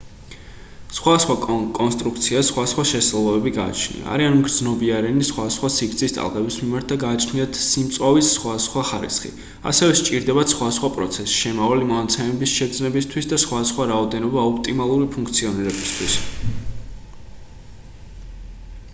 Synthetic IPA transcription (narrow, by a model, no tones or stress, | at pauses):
sχwad̪asχwakʼɔnst̪ʼɾukʰt̪sʰiasχwad̪asχwaʃɛst̪ulˠɔbɛbiɡaːt͡ʃʰnḭa̰ːɾianmɡɾd̪znɔbiaɾɛnisχwad̪asχwasikɾt̪sʰist̪ʼa̰lˠqʼɛbismimaɾt̪̚ʰd̪aɡaːt͡ʃʰniat̪ʰsimt̪sʼavisːχwad̪asχwaχaɾḭsχḭ | a̰sɛvɛʃt͡ʃʼiɾd̪ɛbat̪sχwad̪asχwapʼɾɔ̰t̪sʰɛsi̥ʃɛmavalimɔnat̪sʰɛmɛbisʃɛd̪znɛbist̪ʰwisd̪asχwad̪asχwaɾaɔd̪ɛnɔbaɔpʰt̪ʼimalˠuɾipʰũŋkʰt̪sʰiɔniɾɛbist̪ʰwis